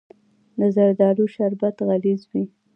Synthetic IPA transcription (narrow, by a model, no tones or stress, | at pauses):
d̪əzaɾd̪ɑluʃaɾbat̪ɣalizwi